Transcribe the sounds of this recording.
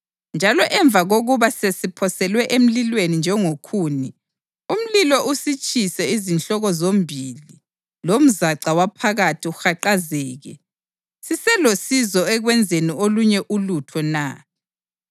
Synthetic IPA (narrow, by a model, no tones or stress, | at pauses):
nd͡ʒʱalɔʔɛɱb̪vʱaɣoɣuβasesipʰɔsɛlwɛʔem̩lilwenind͡ʒʱɛŋokʰuːni | um̩lilɔʔusit͡ʃʼʰisɛizinɬɔɣɔzombʱili | lom̩zaǀawapʰaɣatʰiuxaǃazɛːɣɛ | sisɛlosizɔɛɣwɛnd͡zʱenioluɲɛʔulutʰɔna̰